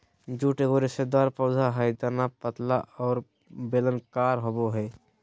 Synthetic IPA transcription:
d͡ʒuːʈeɡoːɾesed̪aːɾpɔːd̪ʱaɦəjd̪əɾnapət̪laʔɔːɾ | beːlənkaːɾɦoboɦɛː

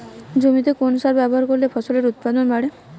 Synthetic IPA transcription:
d͡ʑomit̪ekonsʃaɾbɛboɦaɾkoɾlefʰɔsoleɾut̪̚pad̪onbaɽe

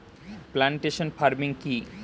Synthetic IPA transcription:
plaɳʈeʃonfaɾmiŋki

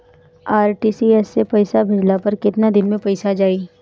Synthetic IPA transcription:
aːɾʈiːsiɛsːepɐɪsabʱɪd͡ʒlapɐɾkɪt̪nad̪ɪnmẽpɐɪsad͡ʒaːiː

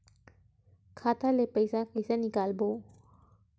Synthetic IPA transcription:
kʰaːt̪ʰalepəjsakəjsanikaːlboː

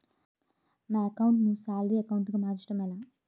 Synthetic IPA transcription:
naːɐkɐwuɳʈnusaːlɾiɐkɐwuɳʈɡumaːɾt͡ʃʈɐmɛlaː

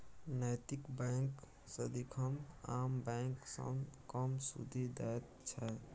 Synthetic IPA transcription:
najt̪ikbãŋk | səd̪ikʰəmambɛ̃ŋksə̰mkəmsṵd̪ʱid̪at̪̚t͡ʃʰɛ

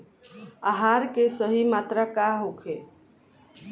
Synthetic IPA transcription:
aɦaɾkesəɦimat̪ɾakaɦokʰe

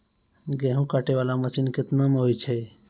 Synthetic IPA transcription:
ɡɛɦũkaʈeʋalaməsinkɪt̪nameɦojt͡ʃʰɛ

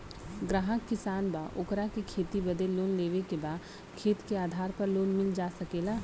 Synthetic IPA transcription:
ɡɾaːɦəkːɪsaːnbaːʔʊkɾakekʰeːt̪ibɐd̪eloːnleːʋekebaːd̪ | kʰeːt̪keaːd̪ʱaːɾpɐɾloːnmɪld͡ʒaːsɐkeːlaː

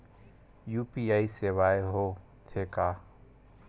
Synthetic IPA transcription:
juːpiːaːiseːʋaːeɦoː | t̪ʰeːkaː

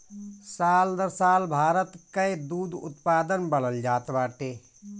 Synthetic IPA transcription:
saːld̪əɾsaːlbʱaːɾət̪kəd̪uːd̪ʊ̰t̪paːd̪ənbəɽəld͡ʒaːt̪baːʈeː

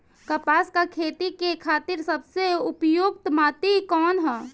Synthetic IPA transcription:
kəpaːskakʰeːt̪ikekʰaːt̪iɾsəbseʊpjuɡt̪maːt̪ikɔːnɦɛː

